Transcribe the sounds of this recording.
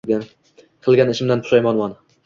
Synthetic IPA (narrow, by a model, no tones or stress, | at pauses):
qʰɨlˠɡʲanɪʃɪmd̪anpʰʊ̥ʃajmɒnmɒn